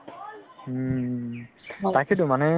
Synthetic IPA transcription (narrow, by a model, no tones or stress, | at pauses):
t̪akʰit̪umanɛ